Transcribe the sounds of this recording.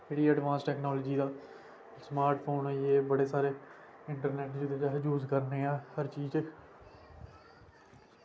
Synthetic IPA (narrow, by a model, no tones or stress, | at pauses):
ɪɽiːəɖʋãːnsʈɛːknoːlːd͡ʒiːd̪aː | smaːɾʈpʰoːnɛːjeːbəɽeːsaːɾeː | ɪɳʈəɾneːʈd͡ʒɪd̪ed͡ʒaɦd͡ʒuːzkəɾneːãːhəɾt͡ʃiːd͡ʒk